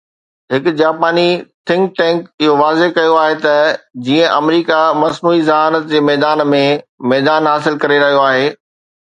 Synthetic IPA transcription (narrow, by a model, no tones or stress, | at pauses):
ɦɪkʊ̆d͡ʑaːpaːnit̪ʰɪ̃ŋk̚ʈɛ̃ːŋkɪɦoʋaːzekɐjoaːɦet̪ɐd͡ʑiːə̃ʔɐmɾiːkamɐsnuːizɐɦaːnət̪̚d͡ʑeːmɛːd̪aːnmẽmɛːd̪aːnɦaːsɪlkɐɾeɾɐɦijoaːɦeː